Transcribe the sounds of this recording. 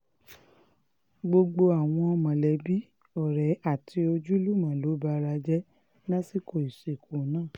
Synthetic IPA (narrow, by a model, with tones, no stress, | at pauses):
ɡ͡bo˧ɡ͡bo˧a˨w̃ɔ̃˧ɔ˧mã˨lɛ˨˦bi˦ | ɔ˦˨ɾɛ˨˦a˦˨tʰi˧o˧d͡ʒu˦lu˦˨mã˨lo˨˦ba˧˦ɾa˧d͡ʒɛ˦ | lã˦si˦ko˧˨i˨se˨ko˨˦nãː˦˨